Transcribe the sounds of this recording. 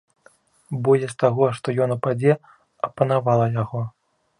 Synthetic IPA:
bɔjʲɛst̪aɣɔʂt̪ɔjɔnupad͡zʲɛ | ɐpɐn̪avalˠɐjaɣɔ

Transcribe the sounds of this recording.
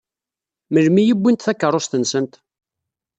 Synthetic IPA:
məlmijibʷːint̪θækːərˤost̪ənsənt̪

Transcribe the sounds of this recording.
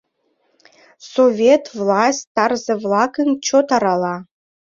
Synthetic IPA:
sovʲet̪vlˠɑsʲt̪ɑrzɘvlˠɑkəŋt͡ɕʰot̪ɑɾɑlˠɑ

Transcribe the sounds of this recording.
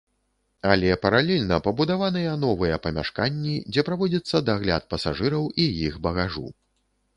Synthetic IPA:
alʲɛpɐɾalʲɛlʲnɐpɐbud̪avanɨjɐn̪ɔvɨjɐpɐmʲa̰ʂkanʲːid͡zʲɛpɾavɔd͡zʲɐt̪sːɐd̪aɣlʲa̰t̪̚pɐsaʐɨɾɐwijixbɐɣaʐṵ

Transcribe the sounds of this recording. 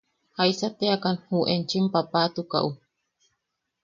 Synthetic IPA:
hajsat̪eakanhuʔent͡ʃimpapat̪uka̰ʔu

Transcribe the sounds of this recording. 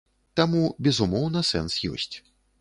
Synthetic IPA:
t̪amubʲɛzumɔwn̪ɐsɛ̰nsjɔ̰sʲt͡sʲ

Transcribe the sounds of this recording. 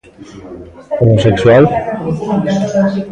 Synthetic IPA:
omosekswal

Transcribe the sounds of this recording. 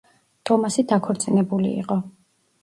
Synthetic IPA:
t̪ʼɔmasid̪akʰɔɾt̪sʼinɛbulḭːqʼɔ

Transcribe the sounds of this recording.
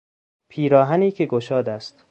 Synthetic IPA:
pʰiːɾɒːɦæniːcʰeɡoʃɒːd̪æst̪

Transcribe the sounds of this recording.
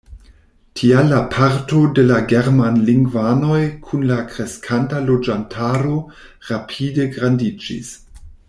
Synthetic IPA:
tʰialapʰaɾtodelaɡeɾmanliŋɡvano̞jkʰunlakɾeskʰantalod͡ʒantʰaɾo | ʁapʰideɡɾandid͡ʒḭs

